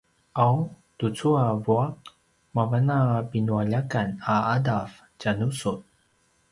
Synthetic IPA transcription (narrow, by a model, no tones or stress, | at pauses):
ʔaw | tut͡suavuak̚ | mavanapinuaʎakanaadaf | canusut